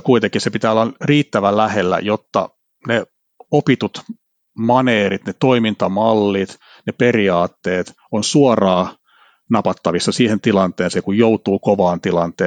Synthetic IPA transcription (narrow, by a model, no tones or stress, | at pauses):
kuit̪eŋkisepit̪æːolːɑriːt̪ːæʋælæhelːæ̰jot̪ːɑ̰ | ne | opit̪ut̪ | mɑneːrit̪net̪oimint̪ɑmɑlːit̪ | neperiɑːt̪ːeːt̪ | onsuɑrɑː | nɑpɑt̪ːɑʋisːɑsiːhent̪ilɑnt̪eːnsekujjout̪uːkoʋɑːnt̪ilɑnt̪eː